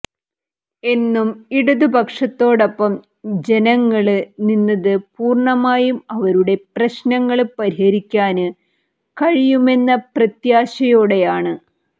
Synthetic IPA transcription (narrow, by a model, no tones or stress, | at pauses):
e̞nːumiɽuðubʱɐkʂɐt̪ːo̞ːɽɐpːɐm | d͡ʑe̞nɐŋːɐɭɨninːɐðɨpuːrɳɐmaːjumɐʋɐɾuɽe̞prɐɕnɐŋːɐɭpɐɾihɐɾikʲːaːnɨ | kɐɻijume̞nːɐprɐt̪jaːɕɐjoːɽe̞jaːɳɨ